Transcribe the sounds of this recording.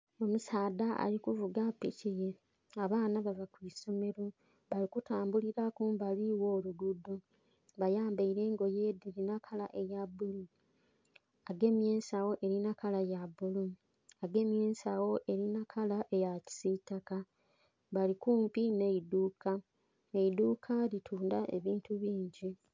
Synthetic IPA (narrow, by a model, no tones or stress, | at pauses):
o̞musaːdaa̰likuvuɡapicije | aβaːnaβavakwiːso̞me̞ɾo | βalikutaːmbuliɾakuːmbaliwo̞ːluɡudːo | βajaːmbaiɾeːŋɡo̞jeːdiɾinakʰalaʔe̞jabulu | aɡe̞ːmje̞ːnsawo̞ʔe̞ɾinakalajabulu | aɡe̞ːmje̞ːnsawo̞ʔe̞ɾinakʰalaʔe̞jaci̥sitaka | βalikuːmpine̞iduːka | eiduːkʰalitʰuːndaʔe̞̰βiːntuβiːɲɟi